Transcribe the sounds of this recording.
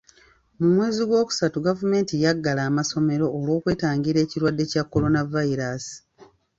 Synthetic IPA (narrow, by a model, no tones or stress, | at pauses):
mumwe̞ːziɡwo̞ːku̥satuɡavume̞ːntijaɡːalaːmaso̞me̞ɾo̞ːlwo̞ːkwe̞ːtaːŋɡiɾe̞ːciɾwadːe̞cakːo̞ɾo̞navaiɾasi̥